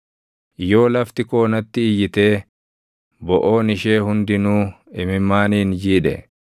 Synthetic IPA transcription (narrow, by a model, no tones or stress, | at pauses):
jo̞ːlɐft̪ɪko̞ːnɐt̪ːɪːjːɪt̪e̞ː | bɔʔoːnɪʃeːhʊnd̪ɪnuː | ɪmɪmːaːniːnd͡ʒiːᶑɛ̰